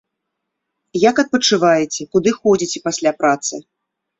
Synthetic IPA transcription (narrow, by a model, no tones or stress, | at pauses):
jakɐt̪̚pɐt͡ʂɨvajɛt͡sʲɛkud̪ɨxɔd͡zʲit͡sʲɛpasʲlʲapɾat̪sɨ